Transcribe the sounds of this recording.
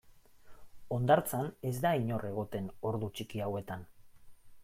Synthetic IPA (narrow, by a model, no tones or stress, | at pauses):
o̞nd̪aɾt͡sane̞zd̪aiɲo̞rʔe̞ɣ̞o̞t̪e̞no̞ɾðut͡ʃikiawe̞t̪an